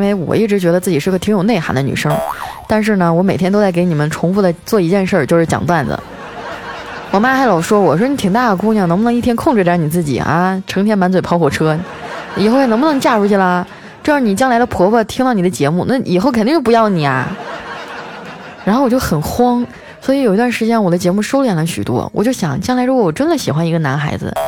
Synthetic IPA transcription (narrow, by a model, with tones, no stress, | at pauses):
i˥nwe˥˩ɪwɔ̰˨˩i˥˩ʈ͡ʂɻ̩˧˥t͡ɕɥɛ˧˥d̪ə˧t͡sɹ̩˥˩t͡ɕi˨˩ʂɻ̩˥˩˧t̪ʰjo˨˩ʊne˥˩ɪxa̰˧˥nd̪ə˧ny̰˨˩ʂɤ˥ŋt̪a˥˧nʂ̬ɻ̩˥˩nə˩wɔ˧˥me˨˩ɪtʰjɛ˥nt̪o˥ʊt͡sa˥˩ɪke˧˥ɪni˨˩mə˦nʈ͡ʂʰʊ˧˥ŋfu˧˥˩d̪ə˨˩t͡swɔ˥˩i˧˥t͡ɕjɛ˥˧nʂə˥˧t͡ɕjo˥˧ʂɻ̩˥˩t͡ɕjɑ̰˨˩ŋt̪wa˥˩nd̪ə̰˩ | wɔ˨˩ma˥xa˧˥ɪlɑ˨˩ʊʂwɔ˥wɔ˨˩ʂɔ˥ni˧˥t̪ʰi˨˩ŋt̪a˥˩d̪ə˩ku˥˧njɑ˥˩n˧˥ŋpu˧˩n˧˥ŋ˥i˥˩t̪ʰjnkʰʊ˥˧ŋʈ͡ʂɻ̩˥˩ja˧˥ni˨˩t͡sɹ̩˥˩t͡ɕḭ˨˩a̰˧˩ʈ͡ʂʰɤ˧˥ŋt̪ʰjɛ˥nma˧˥nt͡swe˨˩ɪpʰɑ˥ʊxwɔ˧˥˩ʈ͡ʂʰɤ˥ | i˨˩xo˥˧xn˧˥bu˧nɤ˧˥ŋt͡ɕja˥˩ɻu˧˥t͡ɕʰi˥˩la˨˩˧ | ʈ͡ʂɤ˥˧˥ni˨˩t͡ɕjɑ˥ŋla˧˥ɪd̪ə˧pʰwɔ˧˥wə˧˩t̪ʰi˥ŋt̪ɑ˥˩ʊni˨˩d̪ə˦t͡ɕjɛ˧˥mu˥˧na˥˩ʔḭ˨˩xo˥˩ʊkʰə˩ni˥ŋt͡ɕo˥˩˧jɑ˥˩ʊni˨˩ɐ̰˦ | ɻa˧˥nxwt͡ɕo˥˩ʊxə˨˩nxwɑ˥ŋ | swɔ˧˥i˧˥ji˧t̪wa˥˩nʂɻ̩˧˥t͡ɕjɛ˥nwɔ˨˩d̪ə˦t͡ɕjɛ˧˥mu˥˩ʂo˥ʊljɛ˨˥˩nlə˦ɕy̰˨˩t̪wɔ̰˥wʔɔ̰˨˩t͡ɕjo˥˩ʊɕjɑ̰˨˩˦ŋt͡ɕjɑ˥ŋla˧˥ɪɻkɔ˥˩wɔ˨˩ʈ͡ʂə˥nd̪ə˨ɕi˨˩xwa˧˥ni˧˥ɡə˧na̰˧˥nxa̰˧˥ɪd͡zɹ̩̰˧